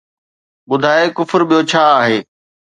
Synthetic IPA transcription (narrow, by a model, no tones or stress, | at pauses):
ɓʊd̪ʱaːekʊfəɾɓijot͡ɕʰaːaːɦeː